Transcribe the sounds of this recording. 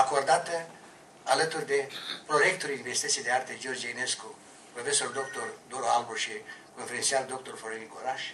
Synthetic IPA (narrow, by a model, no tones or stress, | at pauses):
ako̞rd̪at̪ə | alət̪urʲd̪e̞pɾo̞jek̚t̪uɾinvesit̪ət̪ied̪eart̪ed͡ʒord͡ʒeinesku | pɾofeso̞rd̪o̞k̚t̪ord̪oɾoalboʃikonfeɾʲinsiald̪ok̚t̪orfoɾenikoɾaʃ